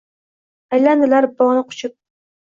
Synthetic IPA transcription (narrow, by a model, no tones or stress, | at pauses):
ajland̪ɪlaɾbɒnɨqʰʊ̥t͡ʃʰʊp̚